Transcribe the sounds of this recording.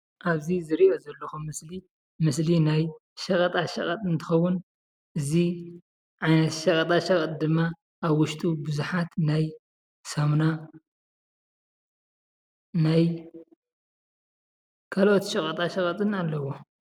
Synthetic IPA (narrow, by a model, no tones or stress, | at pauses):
ʔaβzizɨɾiʔo̞zɐlːɐxumɨsli | mɨslinaj | ʃɐkʼɐt̪ʼaʃɐkʼɐt̪ʼɨnt̪ʰɨ̥xɐwːʊn | ʔɨzi | ʕajnɐt̪ʃɐkʼɐt̪ʼaʃɐkʼɐt̪ʼd̪ɨmːa | ʔːβwʊʃt̪ʼubɨzuħat̪naj | sɐmna | naj | kʰalʔot̪ʃɐkʼɐt̪ʼaʃɐkʼɐt̪ʼɨnalːɐwo